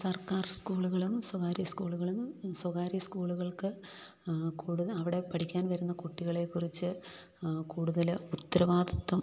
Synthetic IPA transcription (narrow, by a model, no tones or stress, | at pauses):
sɐrkaːrskuːɭuɣɐɭumswɐɣaːɾiskuːɭuɣɐɭumswɐɣaːɾiskuːɭuɣɐɭkɨ | kuːɽuðɐɐʋiɽe̞pɐʈʰikʲːaːnʋɐɾunːɐkuʈːiɣɐɭe̞kːurit͡ɕːɨ | kuːɽuðɐlut̪ːɐɾɐʋaːd̪ɐt̪ːɐm